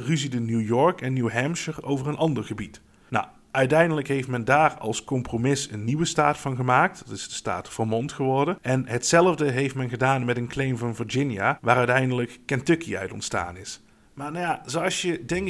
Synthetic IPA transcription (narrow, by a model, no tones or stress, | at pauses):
ryzidənjujɔɹkɛnːjuwɦɛmʃəɹowvərənʔɑndəɹχəbit | na̰ | œɥtɛjndələkɦejftmɛndaːɹɑ̰lˠskɔmpromɪsənːiʋəstaːtfɑnχəmaːk̚tdɑtɪzdəsta̰ːtfəɹmɔntχəʋɔɹdənʔɛnɦətsɛlˠəvdəɦejftmɛnɣədaːnmɛtənklejmvɑnvəɹd͡ʒɪnjaʋaːɾœɥtɛjndələkːɛntɵkḭœ̰ɥtɔ̰ntsta̰ːnɪs | maːnjazoɑsjədɛŋ